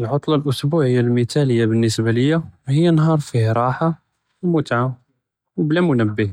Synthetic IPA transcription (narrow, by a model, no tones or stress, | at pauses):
lʕot̪ˤlɑlʔʊsbuʕəjːalmit̪æləjːabənːəsbaləjːahəjːanɦɑɾˤfihɾˤɑħa | mʊt̪ʕa | wblæmʊnəbːi